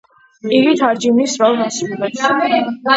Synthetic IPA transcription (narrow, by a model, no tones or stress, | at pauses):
iɡit̪ʰaɾd͡ʒimnisɾɔlˠɡasɾulɛt̪s